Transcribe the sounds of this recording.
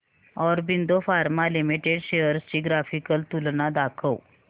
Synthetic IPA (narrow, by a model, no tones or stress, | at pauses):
ɔɾbind̪ofaɾmalimiʈeɖɕejəɾst͡ɕiːɡɾafikəlt̪ulnad̪akʰəw